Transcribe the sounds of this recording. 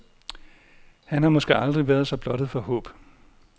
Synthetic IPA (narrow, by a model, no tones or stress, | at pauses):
hænhɑ̈mɒ̽sɡ̥e̝ɑ̈ld̥ʁiʋæɐð̞̩ˠsɒ̽b̥lɒ̽ɾ̥ð̩ˠfɒ̽hɔ̰̽ːb̥